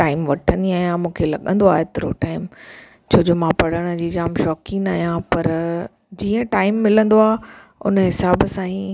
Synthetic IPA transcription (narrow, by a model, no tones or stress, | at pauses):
ʈaːɪmʋɐʈʰə̃nd̪iaːɦijãmũːkʰelɐɠə̃n̆d̪oa̰ːɦɪt̪ɪɾo̰ʈaːɪm | t͡ɕʰoːd͡ʑomãpɐɽ̤əɽ̃̆d͡ʑiːd͡ʑaːmʃɔːkinaːɦjãpɐɾ | d͡ʑiːə̃ʈaːɪmːɪlə̃nd̪oaːʊ̰nəɦɪsaːbsãːĩ